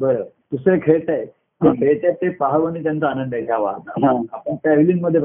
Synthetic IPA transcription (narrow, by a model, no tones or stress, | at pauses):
bəɾə | t̪usɾekʰeɭt̪ae | kəpeɭt̪at̪ːepaɦaʋəñit̪jant͡saːnənd̪ajt͡ɕʰjaʋa̰t̪ãapəɳpɛʋlinməd̪ʱːje